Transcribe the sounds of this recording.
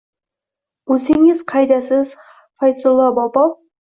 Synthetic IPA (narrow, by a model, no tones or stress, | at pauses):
ɵsɪŋɪz̥qʰɑjd̪æsɪz̥ | fɑjsʊlˠːɑbɑpɑv